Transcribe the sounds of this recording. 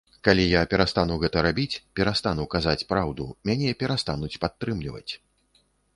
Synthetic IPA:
kalʲijapʲɛɾast̪anuwɣɛt̪ɐɾabʲit͡sʲpʲɛɾast̪anuwkazat͡sʲpɾawd̪ṵmʲanʲɛpʲɛɾast̪anut͡sʲpat̪ːɾɨmlʲivɐ̰t͡sʲ

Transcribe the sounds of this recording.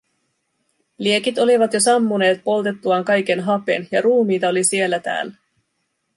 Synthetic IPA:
lie̞kit̪o̞liʋɑt̪jo̞sɑmːune̞ːt̪̚po̞lt̪e̞t̪ːuɑŋkɑjke̞nɦɑpe̞̰njɑɾuːmiːt̪ɑo̞lisie̞lːæt̪æ̰ːlːæ

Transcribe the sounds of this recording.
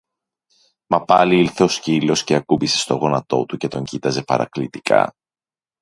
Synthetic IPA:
mɐpɐliilθe̞o̞scilo̞sce̞ɐkubise̞̥st̪o̞ɣo̞nɐt̪o̞̰t̪uce̞t̪o̞ɲɟit̪ɐze̞pɐ̰ɾɐ̰klit̪ikʰɐ̰

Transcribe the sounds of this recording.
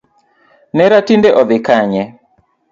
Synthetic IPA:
nɛɾatindɛʔɔðɪkaɲɛ

